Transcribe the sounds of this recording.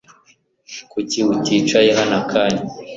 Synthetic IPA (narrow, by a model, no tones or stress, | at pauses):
kuciwutit͡ʃajeɦanakʰaɲi